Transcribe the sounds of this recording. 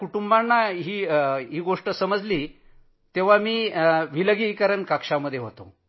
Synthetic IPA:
kuʈumbanːaɦiːɦiːɡoʂʈəsəməd͡zliː | t̪eʋ̤amiːʋiləɡikəɾəɳkakʂaməd̪ʱːjeɦot̪o̰

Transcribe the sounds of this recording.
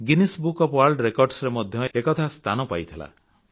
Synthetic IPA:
ɡinisbukɔpwalɖɾekɔɾɖsɾemɔd̪ʱjɔekɔt̪ʰast̪ʰanɔpajt̪ʰila̰

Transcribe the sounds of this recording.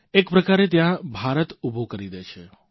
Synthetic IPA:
ekpɾəkaɾet̪jãbʱaɾət̪ubʱokəɾid̪et͡ʃʰe

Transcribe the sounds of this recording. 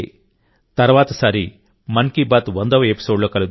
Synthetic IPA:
t̪ɐɾʋaːt̪ɐsaːɾi | mɐnkiːbaːt̪ʋɐnd̪ɐʋɐepi̥soːɖloːkɐlud̪

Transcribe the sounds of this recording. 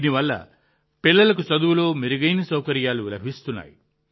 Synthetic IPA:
niʋalːa̰ | pelːɐlɐk̬usɔd̪uloːmiɾiɡɐjnisɔwkɐɾijalulɐbʱist̪una̰ːj

